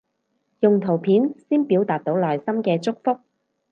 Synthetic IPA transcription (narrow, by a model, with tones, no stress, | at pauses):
jʊ˨ŋt̪ʰo˨˩wpʰiː˨˥nsiː˥npi˨˥wt̪aː˨t̚t̪o˨˥wlɔː˨˩jsɐ˥mkɛː˧t͡sʊ˥k̚fʊ˥k̚